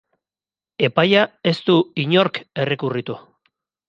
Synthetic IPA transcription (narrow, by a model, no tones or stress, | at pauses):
e̞pajae̞st̪uiɲo̞ɾke̞re̞kurit̪u